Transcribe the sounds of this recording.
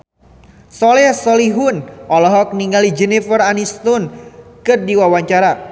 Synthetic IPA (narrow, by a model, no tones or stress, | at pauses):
sɔlɛsɔliɦʊnʔɔlɔɦɔk̚niŋɡalid͡ʒɛnifəranist̪unkɨrdiwawaɲt͡ʃaɾa